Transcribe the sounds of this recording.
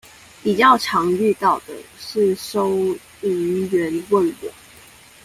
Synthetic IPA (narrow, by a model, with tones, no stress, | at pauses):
pi˨˩t͡ɕjɑ˥˩ʊʈ͡ʂʰɑ˨˦ŋy˥˧t̪ɑ˥˩ʊd̪ə̰˩ʂɻ̩˥˨ʂo˥˦ʊ | i˧˦ŋɥɛ˨˧˦nwə˥˨nwɔ̰˨˩˦